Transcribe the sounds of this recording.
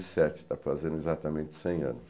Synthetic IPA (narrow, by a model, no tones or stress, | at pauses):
zɪsɛt͡ʃɪ̥t̪afazẽɾ̃dʊezat̪ɐmẽnt͡ʃɪ̥sẽj̃ɐ̰̃nʊs